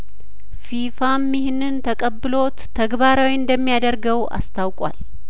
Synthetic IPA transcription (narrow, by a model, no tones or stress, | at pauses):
fifamːihɪnːɨnt̪ʰəkʼəbːɨlo̞t̪ʰːəɡβaɾawiɨnd̪əmːijad̪əɾɡəwʔa̰st̪ʰawkʼwa̰l